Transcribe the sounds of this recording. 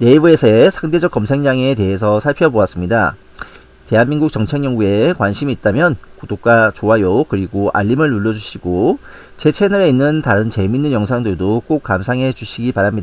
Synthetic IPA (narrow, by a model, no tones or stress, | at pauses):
ne̞ibɯesʰʌesʰaŋde̞d͡ʑʌk͈ʌmsʰe̞ŋd͡ʑaŋe̞te̞ɦe̞s̬ʰʌsʰaɭpʰjʌboas͈ɯmɲida̰ | te̞ɦanminɡuk̚t͡ɕʌŋt͡ɕʰe̞ŋɲjʌŋɡue̞kwanɕʰimiːt̚t͈amjʌnkodok̚k͈at͡ɕoɦajokɯɾiɡoʔa̰ʎːimɯɭnuɭːʌd͡ʑuɕʰiɡot͡ɕe̞t͡ɕʰe̞nɯɾeinːɯntaɾɯnt͡ɕe̞minːɯnjʌŋsʰaŋdɯɭdok͈ok̚k͈amsʰaŋɦe̞d͡ʑuɕʰiɡipaɾamɲida